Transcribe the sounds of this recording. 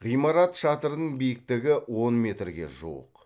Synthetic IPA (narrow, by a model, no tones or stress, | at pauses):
ʁijmɑɾɑt̪ʃɑt̪əɾənəɴbijɪk̚t̪ɪɡʲɪwo̞nmʲe̞t̪rɡʲe̞̰ʒṵə̰q